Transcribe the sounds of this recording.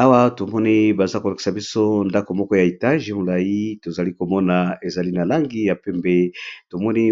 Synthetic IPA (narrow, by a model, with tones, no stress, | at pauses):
a˦wa˦to˨mɔ˦ni˦ba˨za˦ko˨la˨ki̥˨sa˨bi˦so˦nda˦ko˨mɔ˦kɔ˦ja˨e˨ta˦ʒe˨mo˨la˨ji˦to˨za˨li˦ko˨mɔ˦na˨e˨za˨li˦na˨la˦ŋɡi˦ja˨pɛ˦mbe˦to˨mɔ˦ni˦